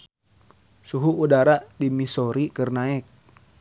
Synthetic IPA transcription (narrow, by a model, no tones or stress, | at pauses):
suɦuudaɾadimisɔɾikərnaɛk̚